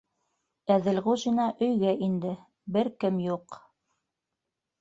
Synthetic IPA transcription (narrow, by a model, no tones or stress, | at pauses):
æðɘ̆lʁuʑinɑʔɵ̆jɡæʔind̪ɘ | bɘɾkɘmjuq